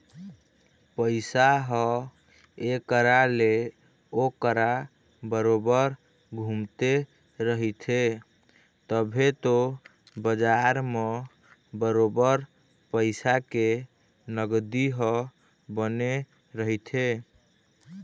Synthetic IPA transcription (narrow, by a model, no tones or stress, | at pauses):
pəɪsaɦɔ | ekəɾale | okəɾa | bəɾobəɾ | ɡʱumt̪e | ɾəɦit̪ʰe | t̪əbʱet̪o | bəd͡ʒaɾme | bəɾobəɾ | pəɪsake | nəɡd̪iɦɔ | bəne | ɾəɦit̪ʰe